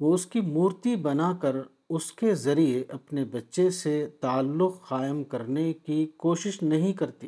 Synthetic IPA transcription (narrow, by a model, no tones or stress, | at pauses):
ʋoːʊskimuːɾt̪ibɐnakɐɾ | ʊskezɐɾieʔɐpnebɐtːʃeset̪aːlːʊqxaːɪəmkɐɾnekikoːʃɪʃnɐɦĩkɐɾt̪iː